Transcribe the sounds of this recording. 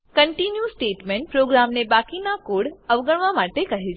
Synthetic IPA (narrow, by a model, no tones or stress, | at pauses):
kɐɳʈinjusʈeːʈmẽːɳʈ̚pɾoːɡɾaːmnẽbaːkinakoːɽɐʋɡəɽ̃ʋamaːʈekɐɦi